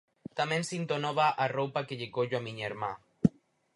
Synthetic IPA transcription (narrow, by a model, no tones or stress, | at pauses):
t̪amẽnsint̪onoβaʔarowpakeʎekoʎoamiɲeɾma